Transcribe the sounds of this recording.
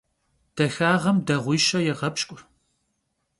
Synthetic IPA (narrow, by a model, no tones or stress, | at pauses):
d̥ɐxaːʁɐmdɐʁʷiːʃɐjɛʁɐpʃkʷʼʊ